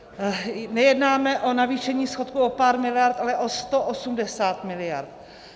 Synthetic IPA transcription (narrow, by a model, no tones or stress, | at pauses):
nɛjɛdnaːmɛʔo̞naviːʃɛɲiːsxo̞t̪kuʔopaːɾmɪlɪjaɾt̪ʔalɛʔo̞st̪oʔosumdɛsaːt̪mɪlɪja̰ɾt̪̚